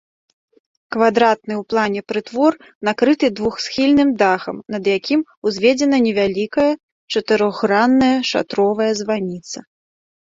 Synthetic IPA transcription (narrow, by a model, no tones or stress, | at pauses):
kvad̪ɾat̪̚nɨwplˠanʲɛpɾɨt̪vɔr | nakɾɨt̪ɨd̪vuxsʲxʲilʲnɨmd̪axɐmnɐd̪jakʲʰimuzʲvʲɛd͡zʲɛn̪ɐnʲɛvʲalʲikɐjɐ | t͡ʂɐt̪ɨɾɔɣːɾanːɐjɐʂa̰t̪ɾɔvɐjɐzvanʲit̪sɐ